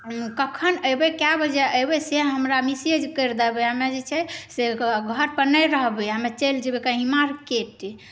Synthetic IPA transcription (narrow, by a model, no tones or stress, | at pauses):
kəkʰənəjbekabəd͡ʒɛʔəjbɛseɦəmɾamised͡ʒkəɾd̪ɛbɛɦəmed͡ʒet͡ʃʰɛseɡʱəɾpənəjɾəɦbeɦəmet͡ʃeld͡ʒebekəɦĩmaɾkeʈe